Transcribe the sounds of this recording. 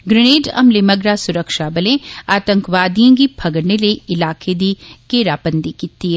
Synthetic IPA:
ɡɾɪɽ̃eːd͡ʒɐ̰mlemɐɡɾasʊɾəkʃaːbɐlẽaːt̪ə̃ŋkʋaːd̪ijãɡibʱʰɐɡəɾneleɪlaːkʰed̪ikeːɾaːpə̃nd̪ikit̪ːiɦɛ

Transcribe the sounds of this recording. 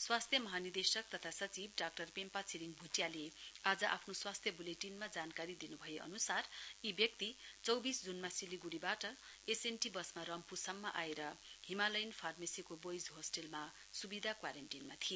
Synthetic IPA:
swast̪ʰjʌmʌɦanird̪esʌk̚t̪ʌt̪ʰasʌt͡sib̚ɖak̚ʈʌrpempat͡sʰiliŋbʱuʈjalead͡zʌʔa̰pʰnoswast̪ʰjʌbuleʈinmad͡zankaɾid̪inubʱʌjeʔʌ̰nusaribjʌk̚t̪it͡sʌwbisd͡zunmasiliɡuɽibaʈʌ | esenʈibʌsmaɾʌmpusʌmːaʔaeɾʌɦimalʌjnpʰarmesikobojd͡zɦosʈelma | subid̪ʱakwaɾanʈinmat̪ʰie

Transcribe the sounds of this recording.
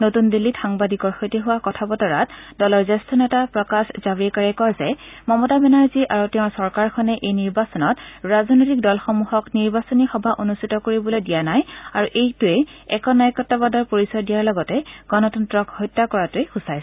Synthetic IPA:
notundilːitxaŋbadikɔɹxojtiɦʊwakɔtʰabɔtɔɹatdɔlɔɹzɛstʰɔnɛtapɹɔkasz̥abɹikaɹɛkɔjzɛmɔmɔtabɛnaɹziʔaɹutɛʊ̃sɔɹkaɹkʰɔnɛʔejniɹbasɔnɔtɹaznojtik̚dɔlxɔmuhɔkniɹbasɔnixɔbʱaʔonustʰitɔkoɹibɔlojdijanajaɹuʔejtuɛɛkɔnajkɔtːabadɔɹpoɹisɔjdijaɹlɔɡɔtɛɡ̥ɔnɔtɔntɹɔkhɔjtːakɔɹatuexusaj

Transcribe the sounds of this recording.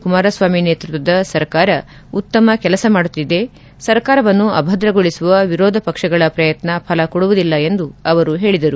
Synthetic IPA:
kumaːɾɐsʋaːmineːt̪ɾut̪ʋɐd̪ɐsɐɾkaːɾɐ | ut̪ːɐmɐkɛlɐsɐmaːɽut̪ːid̪e̞ | sɐɾkaːɾɐʋɐnːuʔɐbʱɐd̪ɾɐɡoɭisuʋɐʋiɾoːd̪ʱɐpɐkʂɐɡɐɭɐpɾɐjɐt̪nɐpʰɐlɐkɔɽuʋud̪ilːɐe̞nd̪uɐʋɐɾuɦe̞ːɭid̪ɐɾu

